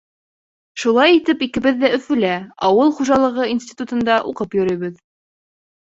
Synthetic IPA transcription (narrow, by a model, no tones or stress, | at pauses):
ʃulˠɑjit̪ɘpikɘ̆βɘðːæɵ̆fɵ̆læɑwɤlˠχuʒɑlˠɤ̆ʁɤinsʲtʲi̥t̪ut̪ɤ̆nd̪ɑʔuqɤpjɵ̆ɾɤ̆jβɘð